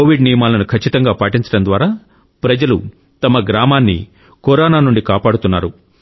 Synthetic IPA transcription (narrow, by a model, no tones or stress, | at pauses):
oːʋiɖnijɐmaːlɐnukʰɐt͡ʃːit̪ɐŋɡaːpaːʈiɲt͡ʃɐɽɐmnd̪ʋaːɾaː | pɾɐd͡ʒɐlṵ | t̪ɐmɐɡɾaːmaːnːḭ | kɔɾaːnaːnuɳɖikaːpaːɽut̪unːaːɾu